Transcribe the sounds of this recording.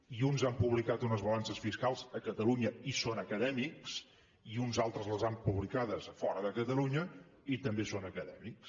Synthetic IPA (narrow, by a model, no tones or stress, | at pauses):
iunzampuβlikat̪unəzβəlansəsfiskalˠzəkət̪əluɲəisonəkəðɛmiks | iunzalˠt̪ɾəzləzampuβlikaðəsfɔ̰ɾəðəkət̪əluɲə | it̪əmbesonəkəðɛmiks